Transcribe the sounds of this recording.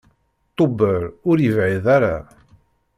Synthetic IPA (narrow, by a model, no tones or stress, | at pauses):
t̪ˤːobəɾʊɾjəvʕiðaɾa̰